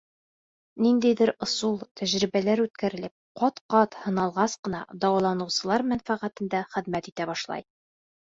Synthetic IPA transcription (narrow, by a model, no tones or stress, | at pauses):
nind̪æjd̪ɘɾŏsulˠt̪ʰæʑɾibælæɾʉt̪kæɾɘ̆lɘp̚qɒt̪qɑt̪hɤ̆nɑlˠʁɑsqɤ̆nɑ̰d̪ɒwɑlˠɑnɤ̆wsɤ̆lˠɑɾmænfæʁæt̪ɘ̆nd̪æχɘ̆ðmæt̪it̪æbɒʃlˠɑ̰j